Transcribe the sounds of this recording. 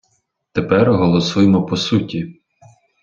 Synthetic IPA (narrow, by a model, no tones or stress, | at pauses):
t̪epɛrɦɔlˠɔsujmɔpɔsutʲi